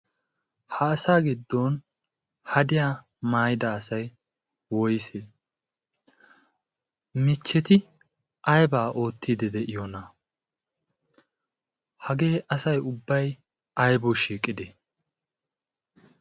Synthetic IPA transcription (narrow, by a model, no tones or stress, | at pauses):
hɐːsaːɡɪd̪ːon | hɐd̪ɪjaː | maːjd̪ɐːsɐj | wɔjse | mɪt͡ʃːɛt̪ɪ | ɐjbaːʔo̞ːt̪ːiːd̪ɛd̪ɛʔɪjɔnɐ | hɐɡe̞ːʔɐsɐjʊbːɐj | ɐjbɔʃiːkʼːɪd̪ɛ